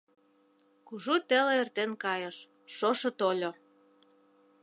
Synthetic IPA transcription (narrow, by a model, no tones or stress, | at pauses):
kuʒut̪ĕleert̪enkɑjɤ̆ʃ | ʃoʃɤ̆t̪olʲo